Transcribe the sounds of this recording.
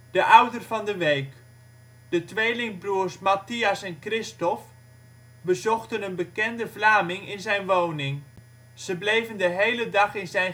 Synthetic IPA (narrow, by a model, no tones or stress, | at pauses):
dəʔʌwdərvɑndəʋejk | d̥ətʋejlɪŋbruːrsmatiɑsɛnkrɪstɔf | bəzɔχtənənbəkɛndəvlaːmɪŋɪnzɛjnʋownɪŋ | z̥əblejvəndəɦejlədɑχɪnzɛj